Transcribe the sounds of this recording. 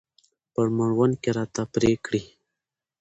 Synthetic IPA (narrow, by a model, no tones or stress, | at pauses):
pəɾmaɳwankeɾɑt̪apɾekɽi